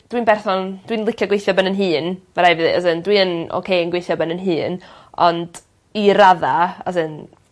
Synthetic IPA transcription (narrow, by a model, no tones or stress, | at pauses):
d̥wiːnbɛrθɔnd̥winlˠɪkʰjɔɡwejθjɔbənənɦɨːnmaɾajvɨðḭə̰zɨndwiəno̰kʰejənɡwejθjɔbənənɦɨːn | ɔnd̥ | iɾaðaə̰sɨn